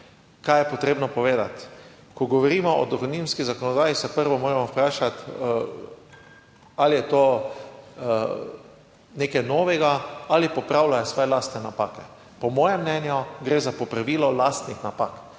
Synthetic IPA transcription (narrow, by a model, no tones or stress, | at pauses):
kajɛpɔt̪ɾeːbnɔpɔʋeːd̪at̪ | kɔɡɔʋɔɾiːmɔʔɔ̰d̪ɔxonimskizakɔnɔd̪aːjisɛpəɾʋɔmoːɾɛmɔpɾaːʃat̪ | alijɛt̪oː | neːkɛjnɔːʋɛɡaalipɔpɾaʊlajɛsʋɔːjɛlaːst̪nɛnapaːkɛ | pɔmɔːjɛmːnɛnjɔɡɾeːzapɔpɾaʋiːlɔlast̪nixnapak